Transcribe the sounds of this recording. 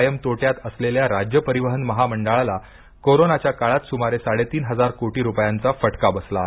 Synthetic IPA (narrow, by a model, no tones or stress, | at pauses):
jəmt̪oʈjat̪əsleljaɾad͡ʑjəpəɾiʋəɦənməɦaməɳɖaɭala | koɾonat͡ɕjakaɭat̪sumaɾesaɽet̪iːnɦəd͡zaɾkoʈiːɾupjant͡safəʈkabəsla